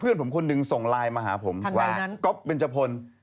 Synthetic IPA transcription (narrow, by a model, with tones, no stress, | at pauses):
pʰɯ˥˩ənpʰo˩˦mkʰo˧nːɯ˧ŋso˨˩ŋlaː˧jmaː˧ɦa̰ː˩˦pʰo˩˦mwaː˧˩˦ko˦˥p̚ːe˧nt͡ɕʰa˧pʰo˧n